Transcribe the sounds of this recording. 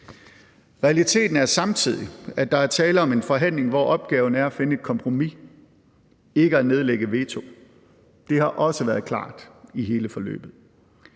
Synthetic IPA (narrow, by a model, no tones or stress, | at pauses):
ʁɛælit͡sʰe̝̰ːd̥n̩æɐsɑ̈mt͡sʰið̞̰ˠiæ̥d̥ɑ̈æɐt͡sʰɛːləɒ̽me̝nfɒ̽ɦæn̰le̝ŋʋɒ̰ʔɒ̽b̥ɡ̥ɛːʊnəæɐæfe̝nəe̝d̥̚kʰɒ̽mpʰʁo̝mi | e̝ɡ̥əæne̝ð̞ˠleɡ̥əʋe̝ːt͡sʰo̝ | d̥e̝hɑ̈ʔɒ̽səʋæɐðˠkʰlɑ̰̈ːd̥iɦe̝ːləfɒ̽lø̰ːb̥ð̩ˠ